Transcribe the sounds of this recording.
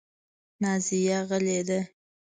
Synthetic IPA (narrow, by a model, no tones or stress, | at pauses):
nɑzijaɣəled̪a